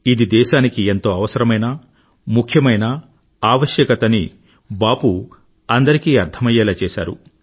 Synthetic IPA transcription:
id̪id̪ɛːʃaːnikie̞nt̪o̞ːɐʋɐsɐɾɐmɐjnɐ | mukʰjɐmɐjnɐ | aːʋɐʃjɐkɐt̪ɐni | baːpu | ɐnd̪ɐɾikiːɐɾt̪ʰɐmɐjɐːlaːt͡ʃɛːʃa̰ːɾṵ

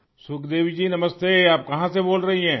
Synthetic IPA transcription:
sʊkʰd̪eːʋid͡ʒiːnɐməst̪eːaːp̚kɐɦãseboːlɾɐɦiɦɛ̃ː

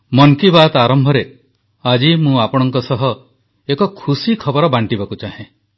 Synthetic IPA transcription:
mɔŋkibat̪aɾɔmbʱɔɾe | ad͡ʒimũapɔɽ̃ɔŋkɔsɔɦɔ | ekɔkʰusikʰɔbɔɾɔbaɳʈibakut͡ʃaɦẽ

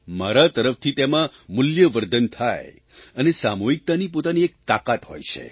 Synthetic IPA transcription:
maɾat̪əɾəft̪ʰit̪emãmʊljəʋəɾd̪ənt̪ʰaj | ənesamoɦik̚t̪anip̬ot̪aniek̚t̪akat̪ɦo̰jt͡ʃʰḛ

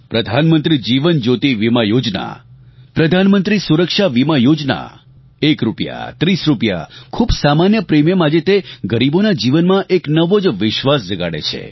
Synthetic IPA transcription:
pɾəd̪ʱanmənt̪ɾid͡ʒiʋənd͡ʒot̪iʋimajod͡ʒna̰pɾəd̪ʱanmənt̪ɾisuɾəkʃaʋimajod͡ʒna̰ | ekɾupja̰t̪ɾisɾupja̰kʰubsamanjəpɾemjemad͡ʒet̪eɡəɾibonad͡ʒiʋənmãʔeknəʋod͡ʒʋɪʃʋasd͡ʒəɡa̰ɽḛt͡ʃʰḛ

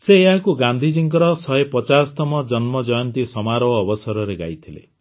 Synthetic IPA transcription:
seːɦakuɡand̪ʱid͡ʒiŋkɔɾɔsɔepɔt͡ʃast̪ɔmɔd͡ʒɔnmɔd͡ʒɔjɔnt̪isɔmaɾɔːbɔsɔɾɔɾeɡa̰jt̪ʰilḛ

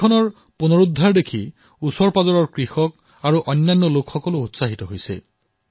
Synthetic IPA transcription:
ɔnɔɹ | punɔɹud̪ʱːaɹdekʰi | usɔɹpazɔɹɔɹkɹixɔk̚ | aɹuʔɔjnːanːɔlokxɔkɔloːtsaɦit̪ɔɦojsḛ

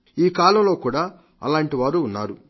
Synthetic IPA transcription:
iːkaːlɐmlo̞ːkuːɽaː | ɐ̰laːɳʈiʋaːɾuːnːaːɾu

